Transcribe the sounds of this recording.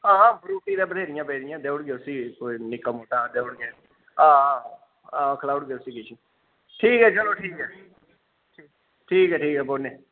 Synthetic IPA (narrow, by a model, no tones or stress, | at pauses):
ãːbɾuːʈiːd̪ẽbəd̪ʱeːɾɪjãːpɛːɾɪjãːd̪eːʊɽɡeːʊsiːkoːinɪkaːmoːʈaːd̪eːʊɽɡeː | ãː | ãːkʰəlaːʊɽɡeːʊsiːkɪt͡ʃʰĩ | ʈʰiːkɦɛːt͡ʃəloːʈʰiːkɦɛː | ʈʰiːkɛːʈʰiːkɦɛːboːneː